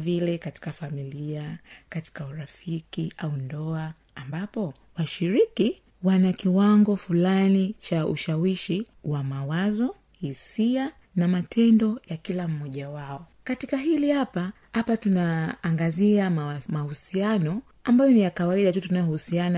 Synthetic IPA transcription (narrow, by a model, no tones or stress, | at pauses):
vilɛkati̥kafamiliakati̥kauɾafikiʔaundɔa | ambapɔ | waʃiɾiki | wanakiwaŋɡɔfulanit͡ʃaṵʃawiʃi | wamawazɔ | hisia | namatʰɛndɔjakilam̩mɔʄawaɔkatikaɦilihapa | hapatunaːŋɡaziamahusianɔ | ambajɔnijakawaiɗatutunajɔhusiana